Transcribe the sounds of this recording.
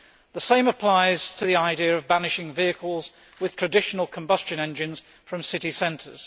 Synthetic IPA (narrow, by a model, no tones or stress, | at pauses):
ðəsẽɪ̃məpʰl̥aɪz̥tʰəðiaɪdiəɹəvbænɪʃɪ̃ŋviɨkʰəl̩ˠz | wɨð̥tʰɹ̥ɨdɪʃnəl̩ˠkʰə̃mbʌst͡ʃɨ̃nɛ̃nd͡ʒɨ̃nz̥ | fɹə̃msɪɾisɛ̃ntʰə̰z̥